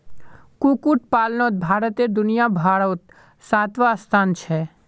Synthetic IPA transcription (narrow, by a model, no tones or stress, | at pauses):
kukuʈ̚paːlnot̪̚bʱaːɾət̪eɾd̪ʊnijabʱaːɽət̪ | saːt̪ʋast̪ʰaːnt͡ʃʰɛ